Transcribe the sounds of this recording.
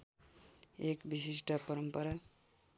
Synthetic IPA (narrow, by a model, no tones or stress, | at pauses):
ekbisis̬ʈʰʌpʌɾʌmpʌɾa